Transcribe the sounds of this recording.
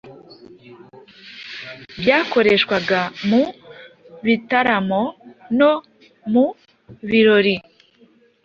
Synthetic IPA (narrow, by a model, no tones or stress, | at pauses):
bjaːko̞ɾe̞ʃkwaɡamu | βitaɾamo̞no | mu | βiɾo̞ɾi